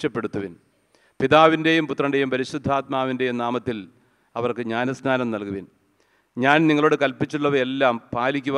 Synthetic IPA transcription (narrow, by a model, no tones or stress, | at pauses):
ɐpːe̞ɽut̪ːuʋin | piðaːʋinde̞jumput̪ːrɐɳɖe̞jumpɐɾiɕud̪ʱːaːt̪̚maːʋinde̞jumnaːmɐt̪ːil | ɐʋɐrkɨɲaːnɐsnaːnɐmnɐlkuʋin | ɲaːnniŋːɐɭo̞ːɽɨkɐlpit͡ɕːuɭːɐʋɐe̞lːaːmpaːlikʲːuʋ